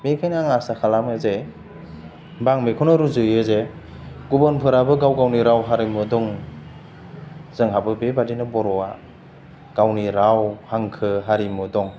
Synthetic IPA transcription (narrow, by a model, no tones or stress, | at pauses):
mekʰajnɯaŋasakʰalamɯze | baŋmekʰɔnɔɾuzɯjɯze | ɡubɯnpʰɯɾabɯɡawɡawniɾawɦaɾimɯdɔŋ | zɯŋɦabɯbebadinɯbɔɾɔa | ɡ̥awniɾawhaŋkʰɯɦaɾimɯdɔŋ